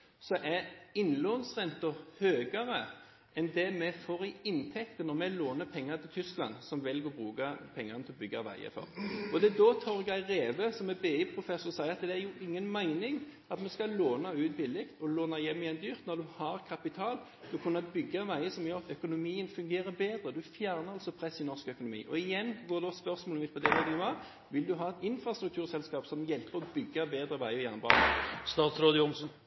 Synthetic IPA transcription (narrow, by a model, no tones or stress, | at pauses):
sɔʔɛɪnloːnsʁɛnt̪ʊhøːɡɑɾə | ʔɛnd̪ɛmɛfoːʁɪɪnt̪ʰɛkt̪ənɔɾmɛloːnəpʰɛŋːət̪ʰɪlt̪ʰʏsklɑ̰nsɔmʋɪlɡɔbʁʉːɡɑpʰɛŋːɑʁnət̪ʰɪɔbʏɡːɑʋæ̰ɪə̰fɔ̰ʁɔd̪ɛd̪ɔt̪ʰɔʁɡɑɪɾeːʋəsɔmɛbeːipʰɾʊfɛsʊʁsæɪəʁɑt̪d̪ɛæjʊʔɪŋːənmæɪnɪŋ | ɑt̪mɛskɑloːnɑʉːt̪bɪlɪkt̪ʰɔloːnɑjɛmːɪjɛnd̪yːʁt̪nɔɾd̪ʉhɑɾkʰɑpɪt̪ʰɑːl | d̪̥ʉkʰʊnːɑbʏɡːɑʋæɪəsɔmjøːɾɑt̪œkʊnʊmiːənfʉŋɡeːɾəbeːd̪ʁəd̪ʉfjæʁnəɑlsɔpʰɾɛsɪnɔʁskœkʊnʊmḭːʔɔɪjɛnːɡoːd̪ɔspœʁsmoːlɪt̪pʰɔd̪ɛbɛt̪ɪŋʋɑ | ʋɪld̪ʉɦɑːɛt̪ɪnfɾɑst̪ɾʉkt̪ʰʉːʁsɛlskɑːpsɔmjɛlpəʁɔbʏɡːɑbeːd̪ɾəʋæɪɔjɛnbɑ̰ːst̪ɑːt̪sɾoːd̪əjʊmsn